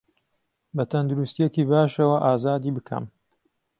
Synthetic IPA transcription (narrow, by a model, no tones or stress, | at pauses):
bɐt̪ʰɐnd̪uɾust̪ijekiːbaːʃɐwɐʔaːzaːd̪iːbɨkʰɐ̰m